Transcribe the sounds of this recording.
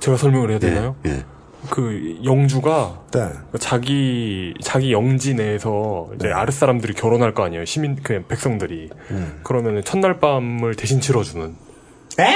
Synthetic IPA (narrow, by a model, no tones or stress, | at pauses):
t͡ɕe̞ɡasʰʌɭmjʌŋɯɭɦeadwenːajo | kɯjʌŋd͡ʑuɡa | kat͡ɕaɡit͡ɕaɡijʌŋd͡ʑine̞sʰʌid͡ʑe̞a̰ɾɯs͈aɾamdɯɾikjʌɾonɦaɭk͈ʌaɲijoɕʰiminkɯpe̞k̚s͈ʌŋdɯɾikɯɾʌmjʌnɯnt͡ɕʰʌnːaɭp͈amɯɭte̞ɕʰint͡ɕʰiɾʌd͡ʑunɯn